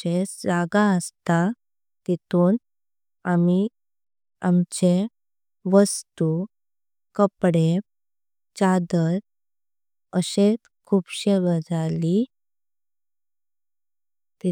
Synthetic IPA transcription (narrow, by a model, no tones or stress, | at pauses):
esd͡zaɡaəst̪a | t̪it̪un | ami | amt͡ɕe | ʋəst̪u | kəpɽe | t͡ɕad̪əɾ̚ | əɕet͡s | kʰuːpɕeʋəd͡zali | t̪i